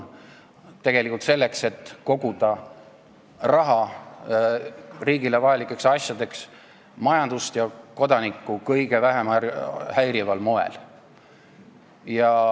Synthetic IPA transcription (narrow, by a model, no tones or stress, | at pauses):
t̪e̞ɡ̥e̞likːˑult̪se̞lːe̞kse̞t̪ːko̞ɡ̥ud̪̥ɑ | rɑɦɑ | riːɡile̞vɑjɑlikːˑe̞ksɑsjɑd̪e̞ks | mɑjɑnd̪̥ust̪jɑko̞d̪ɑnikːˑukɤjɡe̞væɦemɑhæjɾivɑlmo̞e̞̰l | jɑ